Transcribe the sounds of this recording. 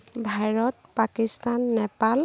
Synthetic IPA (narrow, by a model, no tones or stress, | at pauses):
bʱaɹɔtpakistanːɛpal